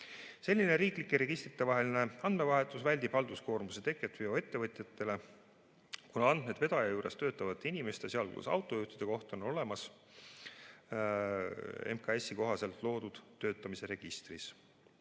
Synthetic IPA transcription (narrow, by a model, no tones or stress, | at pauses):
se̞lʲːine̞ɾiːklikːˑeɾe̞ɡ̥ist̪rit̪ːˑe̞vɑɦe̞line̞ɑnd̪me̞vɑɦe̞t̪ːˑusvælʲd̪ib̥hɑld̪usko̞ːɾmuset̪e̞kːˑet̪vioe̞t̪ːe̞vɤt̪ʲˑjɑt̪ːˑe̞le̞ | kunɑɑnd̪̥me̞d̪ve̞d̪̥ɑjɑjuːɾe̞st̪ø̞ːt̪ːˑɑvɑt̪ːˑinime̞st̪eseɑlkṵsɑ̰wt̪ːˑo̞juht̪id̥̪e̞ko̞ht̪o̞no̞lemɑs | emkɑe̞siko̞ɦɑse̞lt̪ˑlo̞ːd̪ud̪̥t̪ːøːt̪ːˑɑmise̞ɾe̞ɡ̥ist̪ris